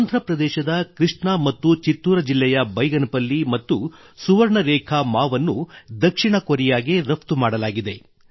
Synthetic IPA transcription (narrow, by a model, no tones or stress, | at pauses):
and̪ʱɾɐpɾɐd̪ɛːʃɐd̪ɐkɾiʂɳɐmɐt̪ːut͡ʃit̪ːuːɾɐd͡ʒilːɛjɐbɐjɡɐnɐpɐlːimɐt̪ːu | suʋɐɾɳɐɾɛːkʰɐmaːʋɐnːud̪ɐkʂiɳɐkoɾijaːɡeɾɐpt̪umaːɽɐlaːɡid̪e̞